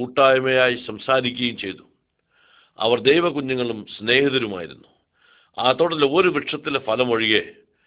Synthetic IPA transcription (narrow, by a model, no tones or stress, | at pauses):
uːʈːaːjɐmɐjaːjisɐmsaːɾikʲːuɐjumt͡ɕe̞jt̪u̥ | ɐ̰ʋɐrd̪ejʋɐkuɲːuŋːɐɭumsne̞ːhɐðɐɾuma̰ːjiɾṵnːu | aːt̪ːoːɽɐðiloɾuʋiʈʂɐt̪ːilfɐlɐmɐɻiɣe